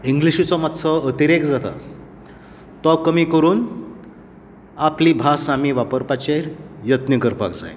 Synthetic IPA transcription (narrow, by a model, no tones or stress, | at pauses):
iŋɡliɕit͡sɔmat̪t͡sʰɔət̪iɾekd͡zat̪a̰ | t̪ɔkəmiːkəɾuːn | apliːbʱasamiʋapəɾpat͡ɕeɾjət̪nikəɾpa̰kd͡za̰j